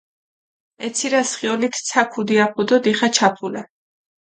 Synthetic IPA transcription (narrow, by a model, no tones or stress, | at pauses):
ɛt̪sʰiɾasχiɔlit̪ʰt̪sʰakʰud̪iapʰud̪ɔd̪iχat͡ʃʰapʰula